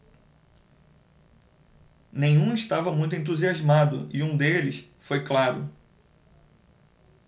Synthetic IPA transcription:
nẽjɲ̃ũiʃt̪avɐmũj̃t̪ʊẽnt̪̬uziazmad̪ʊ̰iũd̪elɪs | fojklaɾʊ̰

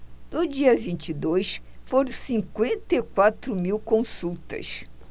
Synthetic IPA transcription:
d̪ʊd͡ʒiɐvĩnt͡ʃid̪ojsfoɾõsĩŋkwẽnt̪ejkwat̪ɾʊmiwkõsuwt̪ɐ̰s

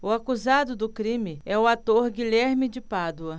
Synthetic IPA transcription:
ʊakuzad̪ʊd̪ʊkɾĩmɪɛʊat̪oɾɡiʎɛɾmɪd͡ʒɪpad̪uɐ

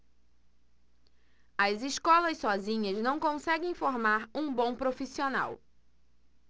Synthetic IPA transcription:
ɐziskɔlɐssɔzĩɲɐznɐ̃w̃kõsɛɡẽj̃foɾmaɾũbõpɾofisiona̰w

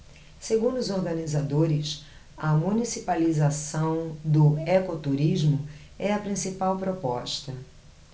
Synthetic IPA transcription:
seɡũnd̪ʊʊzoɾɡɐnizad̪oɾɪs | ɐmũnisipalizasɐ̃w̃d̪ʊɛkot̪uɾiʒmʊ | ɛɐpɾĩsipawpɾopɔʃt̪ɐ

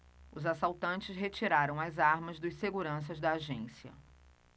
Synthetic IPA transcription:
ʊzasawt̪ɐ̃nt͡ʃɪsɦet͡ʃiɾaɾɐ̃w̃ɐzaɾmɐzd̪ʊseɡuɾɐ̃s̬ɐzd̪ɐːʒẽsiɐ̰

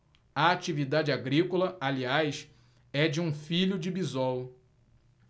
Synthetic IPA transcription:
ɐat͡ʃivid̪ad͡ʒɪaɡɾikolɐʔaliajs | ɛd͡ʒɪũfiʎʊd͡ʒɪbizɔw

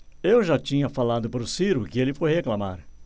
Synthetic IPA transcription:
ewʒat͡ʃĩɲɐfalad̪ʊpɾʊsiɾʊkɪelɪfojheklamaɾ

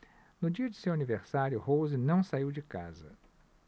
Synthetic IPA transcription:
nʊd͡ʒiɐd͡ʒɪsewaniveɾsaɾjʊhowzɪnɐ̃w̃saiwd͡ʒɪka̰zɐ̰

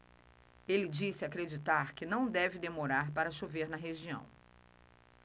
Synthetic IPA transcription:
elɪd͡ʒisɪakɾed͡ʒit̪aɾkɪnɐ̃w̃d̪ɛvɪd̪emoɾaɾpaɾɐsuveɾnɐɦeʒiɐ̰̃w̃

